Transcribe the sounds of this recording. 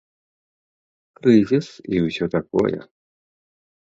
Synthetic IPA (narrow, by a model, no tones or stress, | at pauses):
kɾɨzʲisiwsʲɔt̪akɔ̰jɛ̰